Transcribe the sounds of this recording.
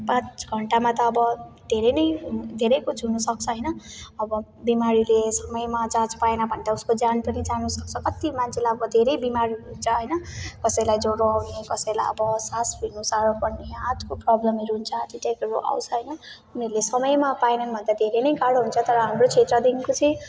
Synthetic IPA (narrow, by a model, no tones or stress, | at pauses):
pãt͡sɡʱʌɳʈamat̪ʌːbʌd̪ʱeɾʌjnʌjd̪ʱeɾʌjkut͡sʰɦunusʌk̚t͡sʰʌɦʌjnʌʌbʌ | bimaɾilesʌmʌjmad͡zãt͡spaenabʱʌnʈ̪auskod͡zanpʌnid͡zanusʌk̚t͡sʰʌkʌt̪imant͡sʰelajʌbʌd̪ʱeɾʌjbimaɾiunt͡sʰʌɦʌjnʌkʌsʌjlajd͡zoɽoawnekʌsʌjlajʌ̰bʌsasbʱinusaɾopʌneat̪koprɔblʌmɦiɾuɦunt͡sʰʌat̪iʈakʌɾoʔa̰wt͡sʰʌɦʌjnʌ | uneɾlesʌmʌjmapaenanbʱʌnd̪ad̪ʱeɾenʌjkaɽoɦunt͡sʰʌt̪ʌɾʌɦamrot͡sʰet̪rʌd̪iŋkot͡sʌj̃